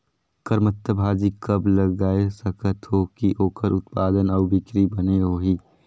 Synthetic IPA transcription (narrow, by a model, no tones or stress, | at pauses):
kəɾmət̪ːəbʱaːd͡ʒikɐbləɡɡaːesəkʰət̪ɦokiʔoːkʰəɾʊt̪paːd̪ənɔːbɪkɾibəneɦoːɦiː